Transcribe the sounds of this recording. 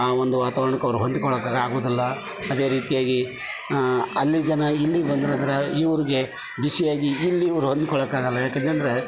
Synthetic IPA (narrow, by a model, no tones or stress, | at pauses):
aːond̪uʋaːt̪aːʋɐɾɐɳɐkːɐʋɐɾuɦond̪ukɔɭɐkːaːɡaːɡoːd̪ilːɐ | ɐd̪e̞ːɾiːt̪ijaːɡi | ɐlːid͡ʒɐnɐilːiɡbɐnd̪ɐɾɐnd̪ɐɾeiʋɐɾiɡe̞ | bisijaːɡiːlːiːʋɐɾuɦond̪ukɔɭɐkːaːɡɐlːɐjaːkent̪ɐnd̪ɐɾe̞